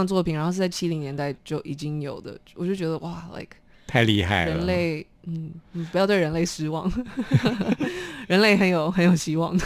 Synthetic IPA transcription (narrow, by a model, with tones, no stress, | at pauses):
t͡swɔ˥˩pʰi˨nɻa˧˥xo˥˧ʂt͡sa˥˩t͡ɕʰi˥li˧ŋnjɛ˧˥nt̪a˥˧ɪt͡ɕjo˥˩ʊʔi˨˩t͡ɕi˥ŋjo˨˩ʊd̪ə̰˦wɔ˨˩t͡ɕo˥˩ʊt͡ɕɥɛ˧˥d̪ə˧wa˥˩la̰˥˩ɪkʰ | t̪ʰa˥˧ɪlḭ˥˧xa̰˥˩ɪɻə˧˦˥nle˥˩ɪ | n̩˥˩n̩˨˩pjʊt̪we˥˩ɻə˧˥nle˥˩ɪsɹ̩˥wɑ˥˩ŋ | ɻə˧˥nle˥˩ɪxə˧˥njo˨˩ʊxə˧˥njo˨˩ʊɕi˧˥wɑ̰˥˩ŋ